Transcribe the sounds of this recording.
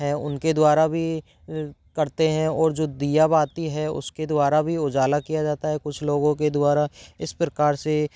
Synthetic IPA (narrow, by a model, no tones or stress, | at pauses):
ɦɛ̃ʊ̰nked̪waːɾabʱi | kɐɾt̪eɦɛ̃ɔːɾd͡ʒoːd̪ijabaːt̪iɦɛʊ̰sked̪waːɾabʱiʊd͡ʒaːlakijad͡ʒaːt̪aɦɛkʊt͡ʃʰloːɡõked̪ʊaːɾaɪspɾəkaːɾse